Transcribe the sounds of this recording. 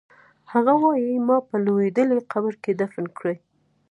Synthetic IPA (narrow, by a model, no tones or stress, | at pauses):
haɣawɑjimɑpəlowed̪əleqabəɾked̪afnkɽe